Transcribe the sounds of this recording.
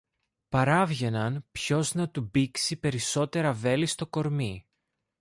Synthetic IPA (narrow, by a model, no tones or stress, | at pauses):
pɐɾɐvʝe̞nɐnpço̞znɐt̪ubiksipe̞ɾiso̞t̪e̞ɾɐve̞list̪o̞ko̞ɾmi